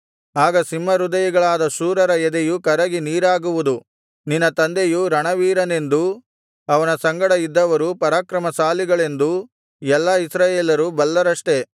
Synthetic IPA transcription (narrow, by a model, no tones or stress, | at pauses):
aːɡɐsimːɐɾud̪ɐjɐɡɐɭaːd̪ɐʃuːɾɐɾɐɛd̪ejukɐɾɐɡiniːɾaːɡuʋud̪u | ninːɐt̪ɐnd̪ejuɾɐɳɐʋiːɾɐne̞nd̪u | ɐʋɐnɐsɐŋɡɐɽɐid̪ːɐʋɐɾupɐɾaːkɾɐmɐsaːliɡɐɭe̞nd̪u | ɛlːɐisɾaːjeːlɐɾubɐlːɐɾɐʂʈe̞